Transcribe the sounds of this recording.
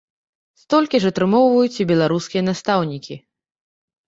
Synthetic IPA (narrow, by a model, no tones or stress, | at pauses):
st̪ɔlʲkʲiʐɐt̪ɾɨmɔwvɐjut͡sʲibʲɛlˠaɾuskʲijɐnast̪awnʲikʲi